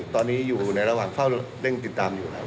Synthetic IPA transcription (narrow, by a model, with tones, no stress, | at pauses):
t̪ɔː˧nːiː˦˥juː˨˩na˧jɾa˧waː˨˩ŋfʰa˥˩wle˥˩ŋt̪i˨˩t̪ːaː˧mjuː˨˩nʰa˦˥